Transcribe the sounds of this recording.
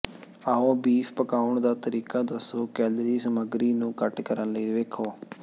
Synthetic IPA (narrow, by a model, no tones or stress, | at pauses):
aːõːbiːfpəkaːʊɳd̪aːt̪əɾiːkaːd̪əsoːkɛːlɾiːsəməɡɾiːnũːkəʈkəɾənləiːʋeːkʰoː